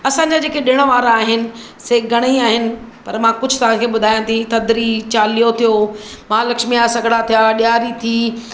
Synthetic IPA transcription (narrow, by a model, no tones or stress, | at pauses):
ɐsãɲd͡ʑad͡ʑeːkeɗɪɽ̃əʋaːɾaːɦɪnɪ̆ | seːɡʱɐɽ̃iaːɦɪnɪ̆pɐɾmãkʊd͡ʑʱʊt̪ɐʋ̤ãkʰeːɓʊd̪ʱaːjãt̪ʰit̪ɐd̪ɾit͡ɕaːlijot̪ʰijoːmãːlɐkʃmijasɐɡʱɽat̪ʰijaɗɪjaːɾit̪ʰiː